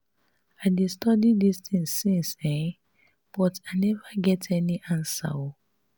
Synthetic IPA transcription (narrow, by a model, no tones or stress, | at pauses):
aɪdistɔdidistĩŋsːĩnsɛ | b̥ɔtanɛvaɡɛtʰɛniʔãnsa̰o